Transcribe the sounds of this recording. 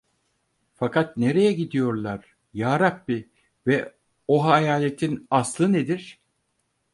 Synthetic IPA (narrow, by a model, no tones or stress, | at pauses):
fakat̪ne̞ɾe̞jɛɟid̪ijo̞ɾlˠaɾ̥ | jaːɾabːi | vɛ | oɦajaːlʲe̞t̪ʰinaslˠɯned̪iɾ̥